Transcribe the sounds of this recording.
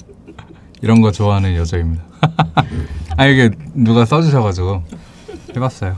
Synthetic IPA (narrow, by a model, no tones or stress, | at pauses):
iɾʌnɡʌt͡ɕoaɦanɯnjʌd͡ʑʌimɲida | aiɾɡenuɡas͈ʌd͡ʑuɕ̬ʰʌɣad͡ʑiɡo | he̞bas͈ʌjo